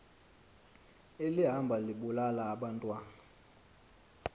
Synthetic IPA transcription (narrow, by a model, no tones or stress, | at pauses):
eliɦambʱaliɓulalaːɓantʼwaːna